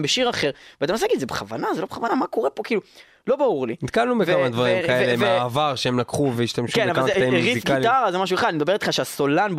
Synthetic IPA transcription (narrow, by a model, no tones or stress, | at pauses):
beʃiʁaχeʁveat̪amnos̬eaɡid̪zebeχava̰nazelo̞beχavanamako̞ʁepo̞kiːlu | lo̞bauʁlinit̪kalnubekvamad̪vaʁimkaelemeaːvaʁʃehemlakχuveiʃtamʃʃukenavaeieʁizifɡit̪aʁazemaʃ̬ueχad̪animed̪abe̞it̪χaʃeaso̞lanb